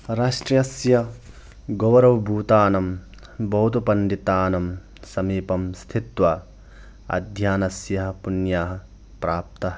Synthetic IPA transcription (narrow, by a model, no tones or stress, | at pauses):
ɾaːʂʈɾjɐsjɐ | ɡoʋɐɾɐʋbʱuːt̪aːnɐm | bɐɦut̪upɐnɖ̪it̪aːnɐm | sɐmiːpɐmst̪ʰit̪ʋɐ | ɐ̰d̪ʱjaːnɐsjɐɦɐpunjaːɦɐ̆ | pɾaːp̚t̪ɐɦɐ